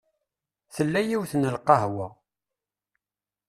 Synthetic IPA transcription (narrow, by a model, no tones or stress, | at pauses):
θəlːæjiwθnəlqɑhwæ